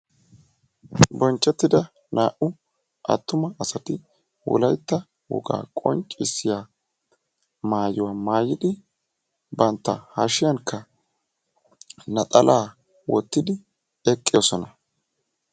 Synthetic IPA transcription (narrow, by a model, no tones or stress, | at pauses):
bɔnt͡ʃːɛt̪ːɪd̪ɐ | naːʔʊ | ʔɐ̰t̪ːʊmɐʔɐsɐt̪ɪ | wɔ̰lɐjt̪ːɐ | wɔ̰ɡa̰ːkʼɔ̰nt͡ʃʼːɪsːɪjaː | maːjɪwaːmaːjɪd̪ɪ | bɐnt̪ːɐ̰haʃɪjɐŋkʰːɐ | nɐt̪ʼɐlʔaː | wɔt̪ːɪd̪ɪ | ɛkʼːɪjosɔnɐ